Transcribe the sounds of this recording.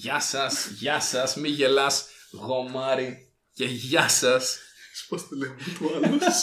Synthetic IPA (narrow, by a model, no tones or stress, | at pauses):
ʝɐsɐsʝɐsɐsmiʝelɐs | ɣo̞mɐɾi | ceʝɐsɐsspɐst̪elemt̪uɐlu